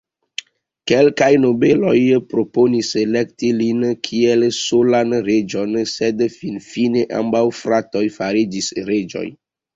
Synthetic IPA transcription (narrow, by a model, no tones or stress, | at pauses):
kelkajnobe̞lo̞jpɾo̞poniselektilinkʰielsolanɾe̞d͡ʒo̞nsedfinfineʔa̰mbawfɾato̞jfaɾid͡ʒisɾe̞d͡ʒo̞̰j